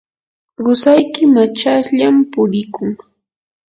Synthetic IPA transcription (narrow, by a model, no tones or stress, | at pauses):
ɢʊsajkɪmat͡ʃasʎampʊɾɪkʊŋ